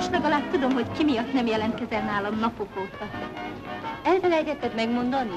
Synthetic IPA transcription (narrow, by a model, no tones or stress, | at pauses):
ʃlɛɡɒlaːt̪ud̪o̞mɦo̞ckimijɒt̪nɛmjɛlɛnt̪kɛzɛnnaːlɒmnɒpokoːk̪ɒt̪ | ɛlvɛlɛjɛt̪ɛt̪ːɛt̪mɛɡmo̞nd̪ɒni